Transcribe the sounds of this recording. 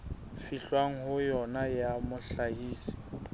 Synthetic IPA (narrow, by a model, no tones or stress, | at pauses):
fiɬwaŋ̩hʊjɔnajamʊɬahiːsi̥